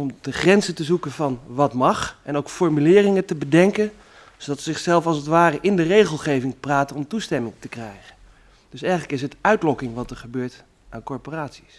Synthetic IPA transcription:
ɔmdəχrɛnzətəzukənvɑnʋɑtmɑχɛnowkfɔɹmylɪːrɪŋətəbədɛŋkən | z̥odɑtsəzɪχsɛlˠfɑlˠsətʋaːrəʔɪndərejχəlˠχejvɪŋpraːtənɔmtustɛmɪŋtəkrɛjχən | d̥øsɛjχələkɪsɦətœɥtlɔkɪŋʋɑtəɹχəbøːɹt | ʔaːnkɔɹporaːtsi̥s

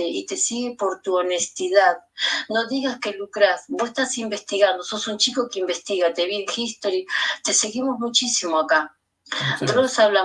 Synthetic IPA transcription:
eʔit̪e̞siɣepo̞ɾt̪uone̞st̪iðaðnoðiɣaske̞lukɾasbosest̪asimbe̞st̪iɣand̪oso̞sunt͡ʃiko̞keimbe̞st̪iɣat̪eβielxist̪oɾit̪e̞se̞ɣimo̞zmut͡ʃisimoaka | t̪oosaβla

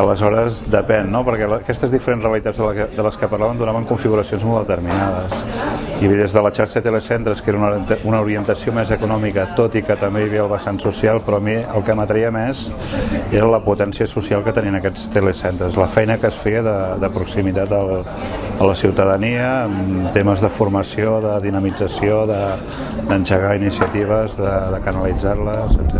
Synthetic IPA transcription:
ələzɔɾəzd̪əpɛnːopəɾkɛləːkɛst̪əzðifəɾensreəlit̪ad͡zzðəld̪ələskəpəɾrlaβənd̪unaβəŋkuɱfiɣuɾəsionzmɔlˠd̪ət̪əɾminaðəsiðezðələʃaɾʃəðət̪elesent̪ɾəskeɾəununəuɾiənt̪əsiomezəkunɔmikət̪ot̪ikət̪əmbeβiβiəlˠβəsansusialˠpɾɔəmiəlˠkəmət̪ɾiəmɛz | eɾələput̪ɛnsiəsusialˠkət̪əniənəkɛt͡st̪elesent̪ɾəzləfɛjnəkəːsfejəðəðəpɾuksimit̪at̪əlˠ | ələsiwt̪əðəniəːmt̪eməzðəfuɾməsioðəðinəmid͡zəsioðə | d̪ənʒəɣainisiət̪iβ̞əzðəðəkənəlid͡zarləzə̰ɛ

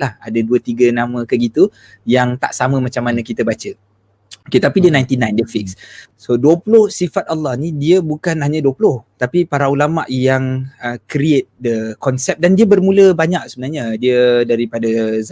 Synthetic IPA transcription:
laha̰dəduət̪iɡənãmə̃kəɡit̪u | jaŋt̪a̰ʔsaməmat͡ʃamːanə̃kit̪əbat͡ʃə | oket̪apidiənajnt̪inãjndəfik̚ssoduəpulʊhsifat̪̚alːɑhnidiəbukanɦaɲaduəpulʊht̪apipaɾaulama̰ʔjaŋəkɾiet̪̚dəkɔnsɛp̚dandiəbərmũləbaɲak̚səbənarɲadiədaɾipadaz

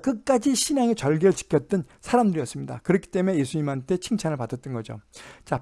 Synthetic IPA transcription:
kɯk͈ad͡ʑiɕʰinaŋe̞t͡ɕʌɭɡeɾɯɭt͡ɕi̥kʰjʌt̚t͈ɯnsʰaɾamdɯɾiʌs͈ɯmɲida̰kɯɾʌkʰi̥t͈e̞me̞je̞sʰuɲimɦantʰe̞t͡ɕʰiŋt͡ɕʰanɯɭpadʌt͈ʌnɡʌd͡ʑo̰t͡ɕa

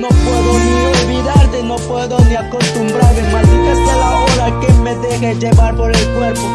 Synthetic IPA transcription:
nõpweðomiolbid̪aɾd̪enopweðomeakːost̪umbɾaɾdemasikest̪elaoɾakemːed̪eɣed͡ʒevaɾpoɾelkweɾpo

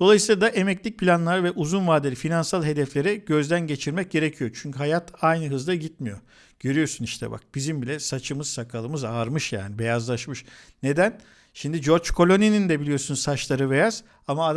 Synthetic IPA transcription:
d̪o̞lˠajɯsiːlˠad̪aʔe̞mɛclʲic̚pʰilʲanlˠaɾvɛʔuzunvaːd̪eɾʲifinansalˠɦe̞d̪ɛflʲe̞ɾɛɟø̞zd̪ænɟe̞t͡ʃʰiɾmɛc̚ɟe̞ɾecʰijot͡ʃʰyɲcyɦajat̪ʰajnɯɦɯzlˠaɟit̪̚mijo̞̰ | ɟ̥ø̞ɾyjo̞suniʃt̪ʰɛ̰ba̰k̚b̥izimbilʲɛsat͡ʃʰɯmɯz̥sakʰalˠɯmɯzaːɾmɯʃja̰ːnibe̞jazlˠaʃmɯʃne̞d̪æn | ʃimd̪id͡ʒo̞ɾt͡ʃkʰo̞lʲo̞ninind̪ɛbilʲijo̞sunsat͡ʃlˠaɾɯbe̞jaz̥ | amaːd̪

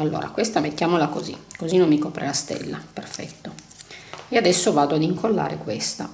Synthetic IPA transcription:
alːo̰ːɾa̰kwest̪amet̪ːjaːmolakozḭkozinomːikoːpɾḛlast̪ɛ̰lːaperfɛ̰t̪ːo | ɛad̪ɛsːovaːd̪oad̪iŋkʰolːa̰ːɾḛkwest̪a

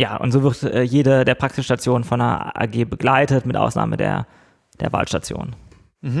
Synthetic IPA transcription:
jaːʔʊ̰ntz̥oːvɪʁtɛːjeːdədeːɐpʁ̥aksɪsʃtat͡sjoːnənfɔndḛɐʔa̰ːɡeːbəɡlaɪtətmɪtʔa̰ʊsna̰ːmə̰dḛːɐ | d̥eːɐva̰ːlʃtat͡sjo̰ːnən̩

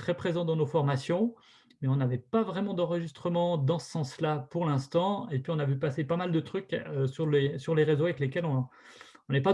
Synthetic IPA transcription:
t̪χɛpχezɑ̃d̪ɑ̃nofɔʁmasjɔ̃ | mɛɔ̃navɛpavʁɛmɑ̃d̪ɑ̃ʁəʒist̪χəmɑ̃d̪ɑ̃sə̥sɑ̃slapuʁlɛ̃st̪ɑ̃epɥiɔ̃navypasepamald̪ət̪χykøsyʁlesyʁleʁezoavɛklekʲɛlɔ̃ː | nɛpa

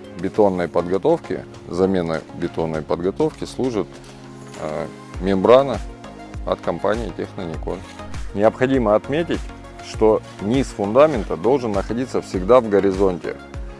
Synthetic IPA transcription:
bʲɪt̪o̞nːəjpəd̪ɡɐt̪o̞fkʲɪ̰ | zɐmʲe̞nə̰bʲɪt̪o̞nːəjpəd̪ɡɐt̪o̞fkʲɪslˠuʐɨt̪ | mʲɪmbɾanə | ɐ̰t̪kɐmpanʲɪjɪtʲɪxnənʲɪko̰ | nʲɪəpxɐdʲiməɐt̪mʲetʲɪtʲ | ʂt̪o̞ | nʲisfʊnd̪amʲɪnt̪əd̪o̞lˠʐɨnːəxɐdʲit̪səfsʲɪɡd̪avɡəɾʲɪzo̞nʲtʲɪ̰

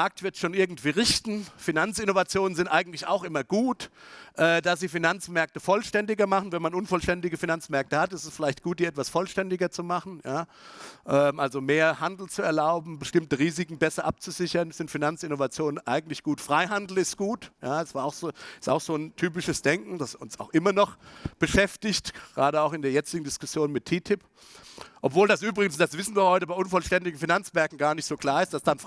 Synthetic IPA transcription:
maɐk̚tv̥ɪɐtʃoːnʔɪɐɡŋ̩tv̥iːʁɪçtn̩finant͡sʔɪnovat͡sjoːnənzɪntʔaɪɡŋ̩tlɪça̰ʊxʔɪmɐɡ̥uːtʔɛːdasz̥iːfinant͡smɛɐk̚təfɔlʃtɛndɪɡɐmaχn̩vɛnmanʔʊnfɔlʃtɛndɪɡəfinant͡smɛɐk̚təhatɪstɛ̥sfɪlaɪçtɡ̥uːt̚d̥iːɛtv̥asfɔlʃtɛndɪɡɐt͡sumaχn̩jaː | ʔɛːmʔalzomeːɐhandl̩t͡suɛɐlaʊbm̩bəʃtɪmtəʁiːzɪkŋ̩bɛsɐʔap̚t͡suzɪçɐnsz̥ɪntfinant͡sɪnovat͡sjoːnənʔaɪɡŋ̩tlɪçɡ̥uːtfʁ̥aɪɦandl̩ɪst̚ɡ̥uːtjaːɛsv̥aːɐaʊxz̥oːɪsta̰ʊxz̥oːntʰyːp̬ɪʃəsd̥ɛŋkŋ̩d̥asʊnsaʊxʔɪmɐnɔχb̥əʃɛftɪçtɡʁaːdəaʊxɪndeːɐjɛt͡sɪɡŋ̩dɪskʊsjoːnmɪtʰːiːtʰɪp | ʔɔpv̥oːldasʔyːbʁɪɡən̩sd̥asv̥ɪsn̩viːɐhɔʏtəbaɪʔʊnfɔlʃtɛndɪɡ̩finant͡smɛɐkŋ̩ɡaːɐnɪçtz̥oːkl̥aːɐɪstd̥asd̥an

